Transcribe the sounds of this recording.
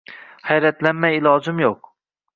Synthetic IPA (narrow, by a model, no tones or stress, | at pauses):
hɛjɾɛt̪lɛnmɛjilˠɑːzɨmjoq̚